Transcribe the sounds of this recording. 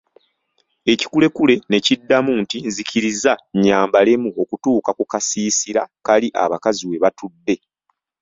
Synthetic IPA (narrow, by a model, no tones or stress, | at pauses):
e̞ci̥kule̞kule̞ne̞cidːamuntinziciɾizaɲaːmbale̞muo̞kutuːkakukasiːsiɾakaliʔa̰βakaziwe̞βatudːe̞